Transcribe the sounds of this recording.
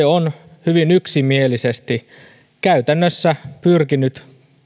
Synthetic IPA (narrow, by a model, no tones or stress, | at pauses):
eon | hyʋinyksimielisest̪i | kæyt̪ænːøsːæpyrkinyt̪